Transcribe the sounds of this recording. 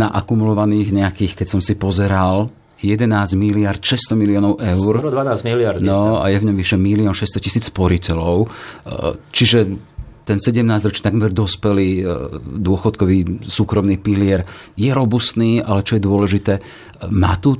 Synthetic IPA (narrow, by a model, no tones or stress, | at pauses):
naʔakumulɔʋaniːɣɲɛakiːxkɛcsɔmsipɔzɛɾal | jɛd̪ɛnaːzɟmilɪaɾt̪ʃɛst̪ɔmiliɔːnɔʊʔɛʊɾd̪anaːziliaɾd̪nɔa̰jɛvɲɔmʋiʃɛmiliɔnʃɛst̪ɔcisiːt͡spɔɾicɛlɔʊ | t͡ʃiʒɛt̪ɛnsɛɟɛmnaːzɟɾɔt͡ʃit̪aɡmɛɾd̪ɔspɛliːd̪ʊɔxɔt̪kɔʋiːsuːkɾɔmniːpiliɛɾjɛɾɔbust̪niːalɛt͡ʃɔjɛd̪ʊɔlɛʒit̪ɛː | ma̰ːt̪u